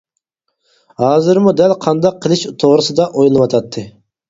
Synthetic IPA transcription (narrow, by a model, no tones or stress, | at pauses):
hɑːzɨɾmud̪ɛlqʰɑnd̪ɑqʰːəlˠɨʃut̪ʰoʁɾɨsɨd̪ɑʔojlˠɨwɑt̪ʰɑt̪ʰːɨ